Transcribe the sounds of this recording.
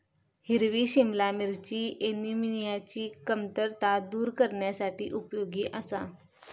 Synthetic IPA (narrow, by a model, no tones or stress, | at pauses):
hiɾʋiːɕimlamiɾt͡ɕiːeniminijat͡ɕiːkəmt̪əɾt̪ad̪uːɾkəɾɳjasaʈḭːʔupjoɡiːʔəsa